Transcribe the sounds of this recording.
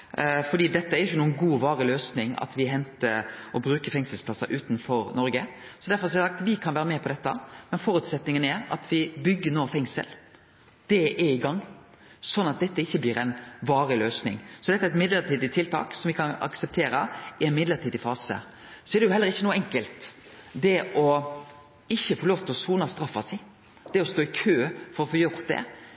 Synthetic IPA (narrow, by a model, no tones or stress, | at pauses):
fɔɖ̪iːd̪ɛt̪ːəæɾjʏçːənuːənɡuːʋɑːɾɪløːsnɪŋɑ̰t̪ʋɪɦɛnt̪əɔbɾʉːkəfɛŋsəlspʰlɑsːɑʔʉːt̪nfɔɾnɔɾɡə | sɔd̪æɾfɔɾsɑsɑkt̪ʋɪkʰɑnʋæːɾəmɛːpʰɔd̪ɛt̪ːəmɛnfɔɾʉt̪sɛt̪nɪŋənæɾɑ̰t̪ʰʋɪbʏɡːənoːfɛŋsə̰l | d̪̥ɛɛɪɡɑŋː | sɔnːɑt̪̚d̪ɛt̪ːəɪçːəblɪːɾɛnʋɑːɾɪløːsnɪ̰ŋsɔd̪ɛt̪ːæɛt̪mɪd̪ləɾt̪ʰiːd̪ɪt̪ʰɪlt̪ʰɑ̰ːksɔmʋɪkʰɑnɑ̰ksɛp̚t̪ʰeːɾəɪɛɪnmɪd̪ləɾt̪ʰiːd̪ɪfɑːsə̰ | sɔɛɾd̪ɛjʊhɛlːəɾɪçːənuːəɛŋkəlt̪d̪ɛʔɔ | ɪçːəfɔɾɭoːft̪ʰəɔsuːnɑst̪ɾɑfːɑ̰sɛɪ | d̪̥ɛɔst̪oːɪkʰøːfɔɾɔfoːjʊɾt̪̚d̪ɛ̰